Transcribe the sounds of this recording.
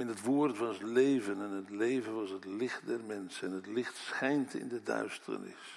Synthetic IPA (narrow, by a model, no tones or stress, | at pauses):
ɛnətʋoːrtʋɑslejvənɛnətlejvənʋɑsɦətlɪχt̚dɛrmɛnsəɛnətlɪχtsχɛjntɪ̰ndədœ̰ɥstə̰ɹnɪ̰s